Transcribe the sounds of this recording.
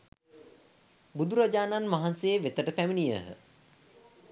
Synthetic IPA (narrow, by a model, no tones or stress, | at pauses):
bud̪uɾad͡ʒaːnanmaɦanseeʋet̪əʈəpæminijə̰ɦə̰